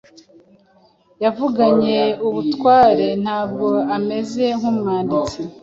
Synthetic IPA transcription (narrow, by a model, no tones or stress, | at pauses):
javuɡaɲe̞uβutwaːɾe̞n̥haːb̚ɡo̞ame̞ze̞ŋumŋaːndit͡si